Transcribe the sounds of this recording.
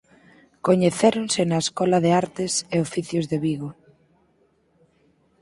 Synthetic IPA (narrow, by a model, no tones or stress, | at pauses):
koɲeθeɾonsenaeskɔlɐðeaɾt̪eseofiθjozðeβiɣo